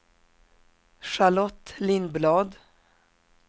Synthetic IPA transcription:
ʂalɔt̪lɪnblɑːd̪

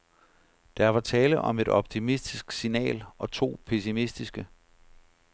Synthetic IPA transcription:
d̥ɑʋɑ̈t͡sʰɛːləʔɒ̽me̝dɒ̽b̥̚t͡sʰimisd̥isɡ̥sinɛ̰ːlɒ̽t͡sʰo̝̰ːpʰe̝simisd̥isɡ̥ə

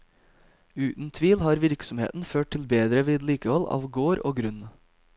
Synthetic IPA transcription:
ʉːt̪n̩t̪ʰʋiːlhɑːɾʋɪɾksɔmhḛːt̪n̩føːʈ̚t̪ʰɪlbeːd̪ɾəʋiːd̪liːkəhɔlɑ̰ːʋɡoːɾoːɡɾʉn

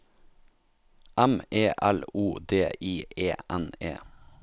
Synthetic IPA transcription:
ʔæmʔeːʔæluːd̪eːʔiːʔeːʔænḛː

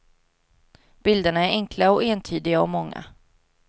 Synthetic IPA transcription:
b̥ɪld̪əɳaæɾɛŋkʰlaɔeːnt̪ʰyːd̪ɪɡaɔmɔŋːa̰

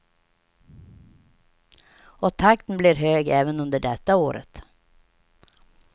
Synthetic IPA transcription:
ɔt̪ʰak̚t̪ənbliɾɦøːɡɛːvənɵnd̪əɖɛt̪ːaoːɾə̰t̪

